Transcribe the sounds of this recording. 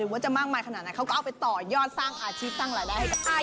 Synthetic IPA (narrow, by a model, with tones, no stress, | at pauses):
ɯː˨˩˦waː˦˥˩t͡ɕa˨˩maː˥˩k̚maː˧jkʰa˧aː˨˩t̪na˧˥jkʰa˦˥wkɔ˥˩ʔwpa˧jt̪ɔː˨˩jɔː˥˩t̪̚saː˥˩ŋʔaː˧t͡ɕʰiː˥˩p̚t̪aː˥˩ŋɾaː˧jdaː˥˩jha˥˩jka˧p̚ʔaː˥˩